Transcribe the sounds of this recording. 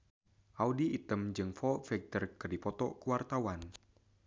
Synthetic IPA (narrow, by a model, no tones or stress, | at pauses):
ʔaudiːt̪əmd͡ʒɨŋfɔfɛɡ̚t̪ərkɨrdipɔt̪ɔkuwart̪awan